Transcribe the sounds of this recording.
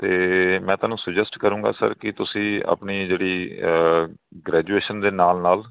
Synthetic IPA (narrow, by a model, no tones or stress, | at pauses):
t̪eːmɛ̃ːt̪aːnũːsəd͡ʒəsʈkəɾũːɡa̰ːsə̰ɾkɪt̪ʊsĩːa̰pniːd͡ʒeːɽiː | ɡɾɛːd͡ʒuːeːʃənd̪eːnaːlnaːl